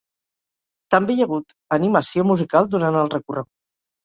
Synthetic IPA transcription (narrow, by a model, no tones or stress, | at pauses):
t̪əmbejəɣut̪əniməsiomuzikalˠd̪uɾanəlˠrəkurəɣu